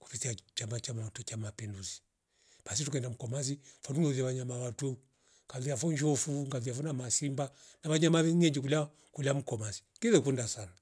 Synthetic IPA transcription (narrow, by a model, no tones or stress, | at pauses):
ku̥pitiat͡ʃamat͡ʃamaatut͡ʃamapinduzi̥ | pas̬itukɛndam̩kɔmazifɔnuŋɛðiaβaɲamawatu | ŋɡaviafɔɲd͡ʒɔfuŋɡaviafɔnamasimba | naβaɲamaβɛŋɛɲd͡ʒikula | kulam̩kɔmazi̥kiðɛkundasana